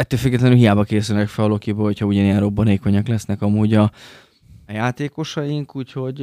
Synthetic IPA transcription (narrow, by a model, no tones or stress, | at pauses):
ɛt̪ːøːlfyɡːɛt̪lɛnylɦijaːbɒkeːsylnɛkfɛlɒlokibøːlho̞cʰhɒuɟɒnejɛnro̞bːɒneːko̞ɲɒklɛsnɛkɒmuːɟɒ | jaːt̪eːko̞ʃɒjiŋkuːcho̞ɟ